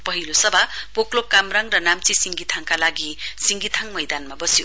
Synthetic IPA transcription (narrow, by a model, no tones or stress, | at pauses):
pʌɦilosʌbʱapoklokamɾaŋɾʌnamt͡sisiŋɡit̪ʰaŋkalaɡisiŋɡit̪ʰaŋmʌjd̪anmabʌsijo